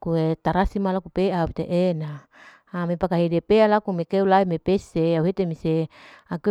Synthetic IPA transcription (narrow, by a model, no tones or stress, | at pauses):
kuet̪aɾasimalakupeapit̪eʔenaː | mepakaɦidepealakumekeulaimepeseauɦet̪emiseake